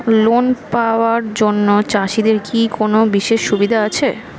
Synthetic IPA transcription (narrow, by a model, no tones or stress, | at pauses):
lonpaoaɾd͡ʑonːot͡ɕaʃid̪eɾkikonobiʃeʃːubid̪ʱaat͡ɕʰe